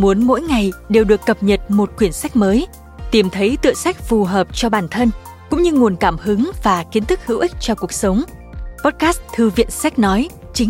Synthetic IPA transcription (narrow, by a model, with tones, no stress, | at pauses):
mu˨˦ənmo̰˧˥jŋa˨˩jɗe˨˩wɗɨ˨˩əkːə˨˩p̚ɲə˨˩t̚mo˨˩t̚kwi˧˩ənsa˦˥jk̟̚məː˨˦j | t̪i˨˩mt̪ʰə˨˦jt̪ɨ̰˧˨əŋsa˦˥jk̟̚fu˨˩ɦəː˨˩p̚t͡ɕɔ˧ɓaː˧˩nt̪ʰə˧n | kʊ̰˧˥ŋ͡mɲɨ˧ŋu˨˩ənkaː˧˩mhɨ˨˦ŋvaː˨˩ki˨˦ənt̪ʰɨ˦˥k̚hɨ̰˧˥wʔï˦˥k̟̚t͡ɕɔ˧ku˨˩ək̚sə˨˦wŋ͡mpɔ˦˥t̚kaː˦˥st̪ʰɨ˧vḭ˧˨ənsa˦˥k̟̚nɔ˨˦j | t͡ɕï˨˦